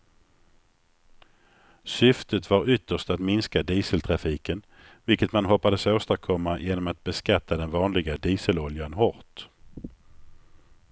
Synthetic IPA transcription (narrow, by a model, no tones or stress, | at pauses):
sʏft̪ət̪vaɾʏt̪ʰːəʂt̪at̪mɪnskad̪iːsəlt̪ʰɾafiːkən | vɪlkət̪manɦɔpːad̪əsoːst̪aɾkʰɔmːajʔeːnɔmat̪̚bɛskat̪ʰːad̪ɛnvɑːnlɪɡad̪iːsəlɔljanɦɔɾt̪